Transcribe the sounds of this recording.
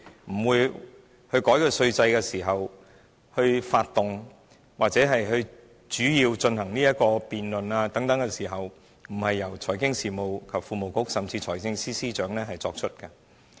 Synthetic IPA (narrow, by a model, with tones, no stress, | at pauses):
m̩˨˩wuː˨˧j | hɵ˧ɥkɔː˨˥jkɵ˧sɵ˧ɥt͡sɐ˧jkɛː˧siː˨˩ɦɐ˨w | hɵ˧ɥfaː˧t̚t̪ʊ˨ŋ | waː˨k̚t͡sɛ˨˥ɦɐ˨jhɵ˧ɥ | t͡ʃyː˨˥jiː˧wt͡ʃɵ˧nhɐ˨˩ŋniː˥jɐ˥t̚kɔː˧piː˨nlɵ˨naː˧t̪ɐ˨˥ŋt̪ɐ˨˥ŋkɛː˧siː˨˩ɦɐ˨w | m̩˨˩hɐ˨jːɐ˨˩wt͡ʃʰɔː˨˩jkɪ˥ŋsiː˨mo˨wkʰɐ˨p̚fuː˨˧mo˨˩wkʊ˥k̚sɐ˨mt͡siː˧t͡sʰɔː˨˩jkɪ˧ŋsiː˥siː˥t͡ʃœː˨˥ŋnɛː˥ɦɐ˨jt͡sɔ̰ː˧k̚t͡ʃʰɵ˥t̚kɐ˧